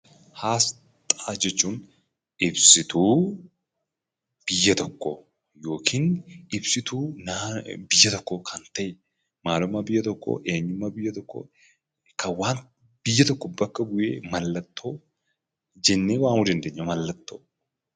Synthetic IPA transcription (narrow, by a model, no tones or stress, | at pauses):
haːs | t̪ʼaːd͡ʒɛt͡ʃːun | ɪbsɪt̪uː | b̥ɪjːɐt̪ɔkːɔ̰ | jo̞ːkʰɪnɪbsɪt̪uːnabɪjːɐt̪ɔkːɔkʰɐnt̪ːɐj | maːlʊmːɐbɪjːɐt̪ɔkːo̰ːʔeːɲːʊmːɐbɪjːɐt̪ɔkːo̰ | kʰɐwaːnt̪ | b̥ɪjːɐt̪ɔkːɔbɐkːɐɡʊjeːmɐlːɐt̪ːo | d͡ʒɛnːeːwaːnwʊd̪ɐnd̪eːɲːɐmɐlːɐt̪ːo